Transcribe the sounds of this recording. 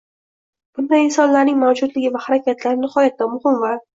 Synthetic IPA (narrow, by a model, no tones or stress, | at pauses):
b̥ʊnd̪aɪnsɒnlaɾnɪŋmawd͡ʒʊd̪lɪɡʲɪvahaɾakʲʰat̪ʰlaɾnɪχɒjat̪ːamʊhɪmvaɾ